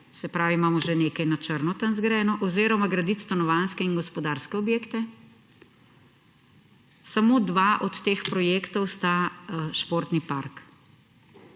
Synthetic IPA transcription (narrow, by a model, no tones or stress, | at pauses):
sɛpɾaːʋimaːmɔʒɛneːkɐjnat͡ʃəɾnɔt̪anzɡɾɛːnɔʔɔzeːɾɔmaɡɾɐd̪it̪st̪anɔʋanskɛinɡɔspɔd̪aːɾskɛɔbjeːkt̪ɛ | samoːd̪ʋaʔɔt̪ːeːxpɾɔjeːkt̪ɔwst̪aʃpoːɾt̪nipaɾk